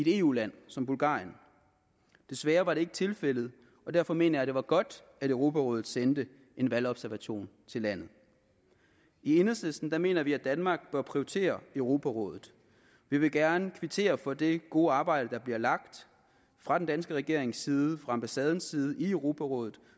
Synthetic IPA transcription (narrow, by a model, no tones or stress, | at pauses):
id̥e̝̰ːṵːlæn̰sɒ̽mbulɡ̥ɑ̰̈ːjən | d̥e̝sʋæːɐʋɑ̈ɾ̥e̝e̝ɡ̥t͡sʰe̝lfel̰ð̞̩ˠ | ɒ̽d̥æɐ̰fɒ̽me̝̰ːnɐjɑd̥e̝ʋɑ̈ɡ̥ɒ̽d̥ | æɾ̥øʊʁo̝pʰæʁɔ̽ːð̩ˠsend̥ə | ʔe̝nʋælɒ̽b̥sæɐʋæɕo̝̰ːnt͡sʰe̝læn̰ð̞̩ˠ | ie̝nɐsesd̥n̩d̥ɑ̈me̝ːnɐʋiæd̥ænmɑ̈ːɡ̥b̥ɶɐpʰʁioit͡sʰe̝̰ːɐøʊʁo̝pʰæʁɔ̰̽ːð̞ˠð̩ˠ | ʋiʋe̝ɡ̥æɐnəkʰʋit͡sʰe̝̰ːɐfɒ̽d̥e̝ɡ̥o̝ːɑ̈ːb̥ɑ̈ɪ̰ɾ̥əd̥ɑ̈b̥liɐlɑ̈ɡ̥̚d̥ | fʁɑ̈d̥end̥ænsɡ̥əʁɛɡ̥e̝ɐ̰e̝ŋsiːðˠəfʁɑ̈ɑ̈mb̥æsɛːð̞ˠn̩siːð̞ˠəiøʊʁo̝pʰæʁɔ̽ːðˠð̩ˠ